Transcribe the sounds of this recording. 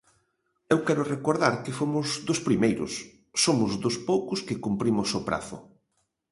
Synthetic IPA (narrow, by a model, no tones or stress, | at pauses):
ewkɛɾʊrekoɾðaɾkɪfomʊzðʊspɾimejɾʊ̰sː | omʊzðʊspowkʊskɪkumpɾimʊsʊpɾa̰θʊ̰